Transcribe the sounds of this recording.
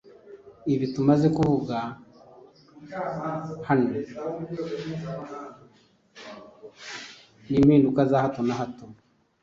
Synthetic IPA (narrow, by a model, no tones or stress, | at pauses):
iβitumaze̞kuvuɡa | hano | nimiːndukazahatonaɦato